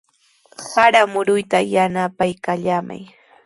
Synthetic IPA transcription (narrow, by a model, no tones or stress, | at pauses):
haɾamʊɾʊjt̪ajanapajkaʎama̰j